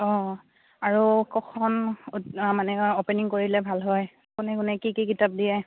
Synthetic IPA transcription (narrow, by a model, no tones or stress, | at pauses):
ɔ̃ | aɹukɔkʰɔn | manɛɔpɛniŋkoɹilɛbʱalɦɔj | kunɛkʊnɛkikikitap̚dijɛ